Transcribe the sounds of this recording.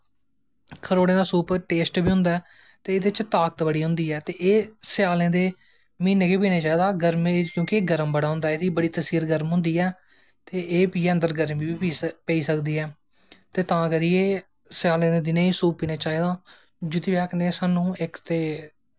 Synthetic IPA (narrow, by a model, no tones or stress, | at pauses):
kʰəɾoːɽẽːd̪aːsuːpʈeːsʈbiːʊ̃nd̪aɛː | t̪eːɪd̪et͡ʃt̪aːkət̪bəɽiːɦʊ̃nd̪iːɛːt̪eːʔeːsɪjaːlẽːd̪eː | miːneːkeːpiːnaːt͡ʃaːiːd̪aːɡəɾmekjõːkɪeːɡəɾəmbəɽaːɦʊ̃nd̪aːeːd̪iːbəɽiːt̪əsiːɾɡəɾmɦʊ̃nd̪iːɛː | t̪eːʔeːpiːə̃nd̪əɾɡəɾmiːbiːpiːpeːiːsəkd̪iːɛː | t̪eːt̪ãːkəɾiːeː | sɪaːlẽːd̪eːd̪ɪnẽːiːsuːppiːnãːt͡ʃaːiːd̪aː | d͡ʒʊt̪iːbɛːkneːsaːnũːɪkt̪eː